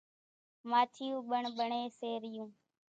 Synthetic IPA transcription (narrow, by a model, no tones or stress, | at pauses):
maːt̪ʰɪjũːɓəɳɓəɳeːseːɾɪjũː